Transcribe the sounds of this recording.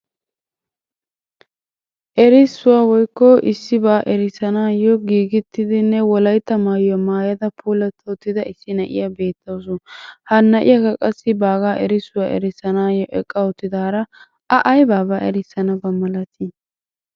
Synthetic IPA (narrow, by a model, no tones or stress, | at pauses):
ʔɛɾɪsːʊwaːwɔjkːɔʔɪsːɪbaːʔɛɾɪsɐnaːjɔɡiːɡɪt̪ːɪd̪ɪnːɛwɔlɐjt̪ːɐmaːjɐmaːjɐd̪ɐpʰuːlɐt̪ʰːɐɔt̪ːɪd̪ɐɪsːɪnɐʔɪ̰jabe̞ːt̪ːoːs̬ʊnhɐnːɐʔɪ̰jɐkɐkʼɐsːɪbaːɡaːʔɛɾɪsːʊwaːʔɛ̰ɾɪsɐnaːjɔʔɛkʼːɐɔt̪ːɪd̪aːɾɐ | ɐʔɐjbaːbaːʔɛɾɪsːɐnɐbɐmːɐlɐt̪ʰɪ